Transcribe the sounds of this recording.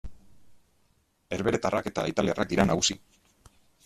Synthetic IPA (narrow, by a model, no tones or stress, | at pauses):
e̞ɾβe̞ɾe̞t̪arake̞t̪a̰it̪aliarʔak̚d̪iɾanaɣusi